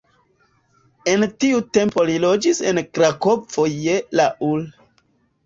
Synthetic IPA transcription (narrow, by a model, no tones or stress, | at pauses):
e̞ntiute̞mpo̞lilo̞d͡ʒisenkɾakopfojelaʔul